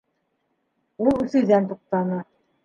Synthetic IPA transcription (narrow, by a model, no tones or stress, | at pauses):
ulˠɵ̆θɵ̆jðænt̪uq̚t̪ɑnɤ